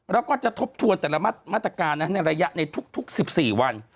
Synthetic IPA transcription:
ɾɛ˦˥wkɔː˥˩t͡ɕa˨˩t̪ʰo˦˥p̚t̪ʰu˧ənt̪ɛː˨˩la˦˥m̚˥˩maː˥˩t̪ːɾa˧kaː˧nːa˦˥na˧jɾa˧ja˦˥ʔna˧jt̪ʰu˦˥k̚t̪ʰu˦˥k̚si˨˩p̚siː˨˩wa˧n

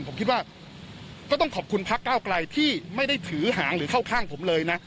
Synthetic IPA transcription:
npʰo˩˦mkʰi˦t̪̚waː˥˩ | kɔː˥˩t̪ɔ˥˩ŋkʰɔː˨˩p̚kʰu˧npʰa˦˥kːaː˥˩wkla˧jt̪ʰiː˥˩ma˥˩jda˥˩jt̪ʰɯː˩˦ɦaː˩˦ŋɾɯː˩˦kʰa˥˩wkʰaː˥˩ŋpʰo˩˦mlɤː˧jna˦˥

